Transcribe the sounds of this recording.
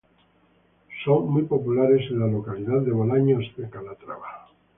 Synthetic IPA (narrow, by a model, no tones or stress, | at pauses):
soŋmujpo̞pulaɾe̞zelalokaliðaððeβolaɲosðekalat̪ɾa̰βa